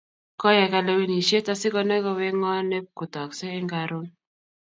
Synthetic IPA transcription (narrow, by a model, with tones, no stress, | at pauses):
kɔ˦jɛ˨ka˨le˦wi˦ni˨ʃje˦ta˦sɪ˦kɔ˦nɛ˦kɔ˦wɛ˦ŋɔ˦nɛ˦ku˨tɔ˨ksɛ˦ɪ˦ŋɡa˨ɾo˦n